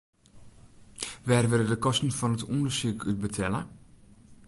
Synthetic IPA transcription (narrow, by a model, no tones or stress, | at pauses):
ʋɛːrʋɪlədəkɔstn̩fɔnətʰundərsykʰyt̚bətʰɛlə̰